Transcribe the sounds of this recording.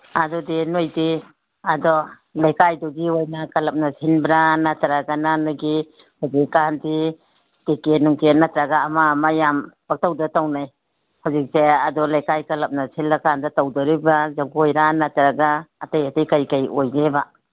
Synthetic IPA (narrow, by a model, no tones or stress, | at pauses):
adɔdinojdi | adɔ | lajkajduɡiojnakalɐp̚nasʰinbɾanatɾaɡananaɡi | hɔzikːandi | tekenuŋkenatɾaɡaːmamajampak̚tawdatawnaj | hawzik̚seadɔlajkajkalɐp̚nasilːakandatawdɔɾibazaɡojɾanatɾaɡaːtajatajkajkajojɡeba